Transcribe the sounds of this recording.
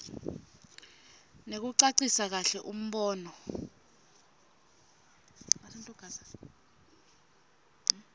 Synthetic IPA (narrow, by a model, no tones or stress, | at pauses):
nek̬uǀaǀisak̬aɬɛʔum̩ɓɔːnɔ | aantʼuɡ̥ʱaa